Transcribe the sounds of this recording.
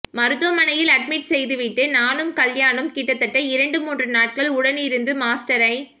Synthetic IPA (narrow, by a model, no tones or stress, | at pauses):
mɐɾɯt̪ɐmɐnɐjɪlɐɖ̚mɪʈsɛjðɯʋɪʈːɯnaːnɯmkɐljaːɳɯmkiːʈːɐt̪ːɐʈːɐɪɾɐɳɖɯmuːndrɯnaːʈ̚kɐɭʊɽɐnɪɾɯnd̪ɯmaːsʈɐɾɐɪ